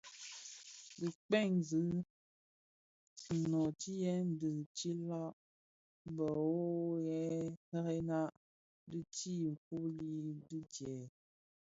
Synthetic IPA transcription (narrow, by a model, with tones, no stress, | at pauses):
dɨ˨k͡pɛ˦˨ŋzɨ˨˦˨ | nɔ˨ti˦jɛ˨˦n̩˦dɨ˨t͡ʃi˦la˦ʔ | m˦bə˨o˦jɛ˨˦hɛ˦ɣe˦na˦ʔ | dɨ˦ti˦˨ku˦li˦dɨ˦d͡ʒjɛ˨